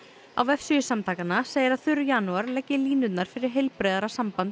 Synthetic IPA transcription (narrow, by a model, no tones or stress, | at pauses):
a̰wɛfsʏʏsamt̪ʰaːkanːaseːjɪɾaθʏɾːʏjaːnuaɾlɛcːɪliːnʏt̪naɾ̥fɪɾɪɾ̥ɦejlpɾɛːðaɾasampant̪